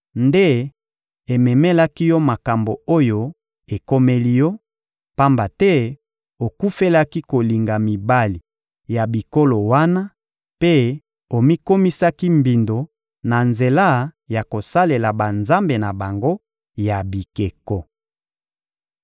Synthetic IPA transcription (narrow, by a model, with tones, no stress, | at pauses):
nde˦ | e˨mɛ˨me˦la˦ki˦jɔ˦ma˨ka˨mbo˨o˦jo˦ | e˨ko˦me˦li˦jɔ˦ | pa˦mba˨tɛ˦ | o˨ku˦fe˦la˦ki˦ko˨li˨ŋɡa˨mi˨ba˦li˨ | ja˨bi˨ko˦lo˨wa˦na˦ | pe˦ | o˨mi˦ko˦mi˦sa˦ki˦mbi˨ndo˨ | na˨nze˨la˦ja˨ko˨sa˦le˨la˨ba˨nza˦mbe˨na˨ba˨ŋɡo˦ | ja˨bi˨ke˨kɔ˨